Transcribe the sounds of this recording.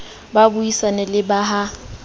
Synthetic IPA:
babuisanɛlɪbaɦa

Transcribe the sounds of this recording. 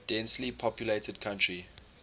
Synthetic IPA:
d̥ɛ̃nslipʰɔpjuletʰəd̚kʰãntɹi

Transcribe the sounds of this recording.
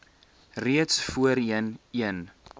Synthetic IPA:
riətsfuəɾiəniən

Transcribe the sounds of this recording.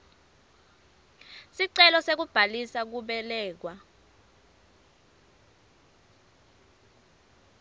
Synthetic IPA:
siǀɛlɔsek̬ub̥ʱalisak̬uɓɛlɛːk̬wa

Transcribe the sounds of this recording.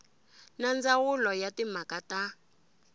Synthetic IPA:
nand͡zaɣʊlɔjatimakata

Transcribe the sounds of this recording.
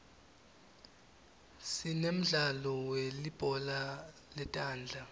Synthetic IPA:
sinem̩ɮalɔwelib̥ʱʼɔla | lɛtʼaːnd͡ɮʱa

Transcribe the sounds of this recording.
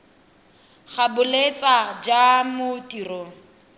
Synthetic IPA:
χabʊlet͡sʼad͡ʒamʊtʼiːrɔ

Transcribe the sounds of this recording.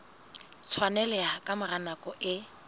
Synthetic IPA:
t͡sʰwanɛlɛakʼamɪranakʼɔʔɪ

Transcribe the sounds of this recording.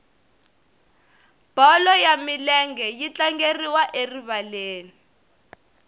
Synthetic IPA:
b̥ɔlɔjamilɛŋɡɛjit͡ɬaŋɡeriwaʔeriβaleːni

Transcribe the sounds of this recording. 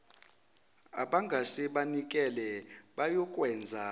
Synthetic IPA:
a̰ɓaŋɡʱasɛɓanikʼɛlɛɓajɔkʼwɛnd͡zʱa

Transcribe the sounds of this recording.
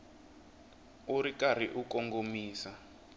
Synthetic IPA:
uɾikaɾ̤iʔukɔŋɡomiːsa

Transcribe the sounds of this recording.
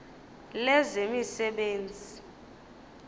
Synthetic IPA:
lɛzemisɛɓeːnd͡zʱi

